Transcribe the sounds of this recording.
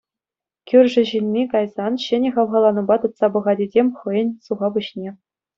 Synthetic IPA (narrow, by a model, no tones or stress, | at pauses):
kʲyrʲʐɘ̆ʑinʲːikɑjzɑnɕɘ̆nʲɘ̆χɑʋʁɑlˠɑnɤ̆bɑt̪ɯt̪sɑbɤ̆ʁɑdʲezʲemʲχɤ̆jɤ̆nʲsuʁɑbuɕnʲe